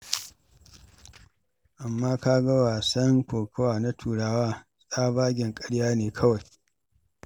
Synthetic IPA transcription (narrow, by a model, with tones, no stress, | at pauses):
ʔa˨mːaː˦kaː˦ɡɐ˦waː˨sɐ˦ŋkʷoː˨kɐ˦waː˨na˦tʰuː˨ɽaː˦waː˦ | sʼaː˦baː˦ɡʲɪ˨ŋkʼɐ˦ɽjaː˦neː˨kʰɐ˦wa˨j